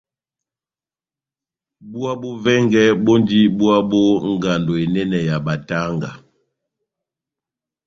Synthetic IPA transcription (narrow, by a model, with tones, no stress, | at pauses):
bu˦a˦bo˦vɛ˦ŋɡɛ˦bo˦ndi˦bu˦a˦bo˦ŋ˦ɡa˨ndo˨e˨nɛ˦nɛ˨ja˨ba˨ta˦ŋɡa̰˨